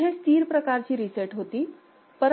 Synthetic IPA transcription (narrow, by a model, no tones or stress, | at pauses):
ɦẽst̪iːɾpɾəkaɾt͡ɕiːɾisəʈɦoːt̪i | pəɾ